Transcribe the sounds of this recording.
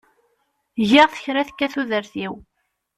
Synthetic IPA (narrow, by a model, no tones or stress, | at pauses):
ʝiʁθə̥çɾæθəkːæθuðəɾθiw